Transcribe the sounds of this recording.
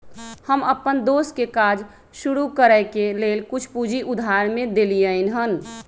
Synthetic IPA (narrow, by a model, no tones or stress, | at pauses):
həməpənd̪oskekad͡ʒ | ʃuɾukəɾəɪkelelkut͡ʃʰpud͡ʒiʔud̪ʱaɾmẽd̪elijəɪnɦən